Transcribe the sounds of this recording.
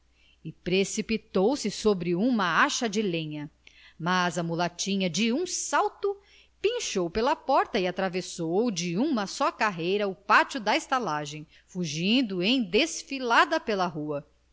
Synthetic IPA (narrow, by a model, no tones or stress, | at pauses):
ɪpɾesipit̪owsɪsobɾɪũmɐaʃɐd͡ʒɪlẽɲɐmazɐmulat͡ʃĩɲɐd͡ʒɪũsawt̪ʊ | pĩʃowpelɐpɔɾt̪ɐɪat̪ɾavesowd͡ʒɪũmɐsɔkaɦejɾɐʊpat͡ʃud̪ɐest̪alaʒẽj̃ | fuʒĩnd̪ʊẽj̃d̪esfilad̪ɐpelɐɦuɐ